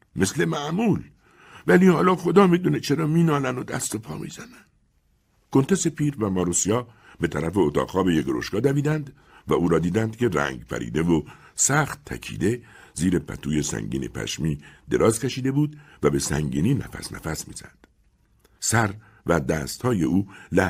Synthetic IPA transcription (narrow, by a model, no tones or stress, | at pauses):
me̞sle̞mæʔmuːl | væliːhɒːlɒːxo̞d̪ɒːmiːd̪uːnet͡ʃʰe̞ɾɒːmiːnɒːnænod̪æ̰st̪o̞pʰɒːmḭːzænæn | ko̞nt̪e̞se̞pʰiːɾvæmɒːɾosijɒː | be̞t̪ʰæɾæfe̞ot̪ʰɒ̰ːɡhɒːbe̞jeɡɾo̞ʃɡɒːd̪æviːd̪ænd̪ | væuːɾɒːd̪iːd̪ænd̪cʰe̞ɾæ̰ŋɟpʰæ̰ɾḭːd̪e̞vo | sæːxt̪ʰːæ̰cʰḭːd̪e̞ | ziːɾe̞pʰæ̰t̪ʰuːje̞sæ̰ŋɡɟḭːnḭpʰæ̰ʃmiːd̪e̞ɾʔɒːzkʰeʃiːd̪e̞buːd̪væbe̞sæ̰ŋɟḭːniːnæ̰fæ̰snæ̰fæsmḭːz̥æ̰nd̪̥ | sæɾ | væd̪æːst̪hɒːje̞uːlæ